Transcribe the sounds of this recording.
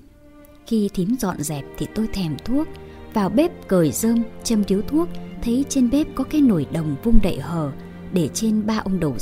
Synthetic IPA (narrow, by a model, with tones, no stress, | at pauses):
xi˧t̪ʰi˨˦əmzɔ̰˧˨nzɛ˨˩p̚t̪ʰi˨˩t̪o˧jt̪ʰɛ˨˩mt̪ʰu˦˥ək̚vaː˨˩wɓe˦˥p̚kəː˨˩jzəː˧mt͡ɕə˧˩mɗi˨˦əwt̪ʰu˦˥ək̚t̪ʰə˨˦jt͡ɕe˧nɓe˦˥p̚kɔ˨˦kaː˨˦jno˧˩jɗə˨˩wŋ͡mvʊ˧ŋ͡mɗə̰˧˨jhəː˨˩ | ɗe˧˩t͡ɕe˧nɓaː˧ʔə˧wŋ͡mɗə˨˩w